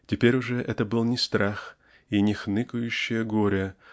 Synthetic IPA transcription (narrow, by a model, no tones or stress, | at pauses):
tʲɪpʲeɾʲʊʐɛʔɛt̪əbɨlˠnʲɪst̪ɾax | inʲɪxnɨkʊjʉɕːɪjəɡoɾʲə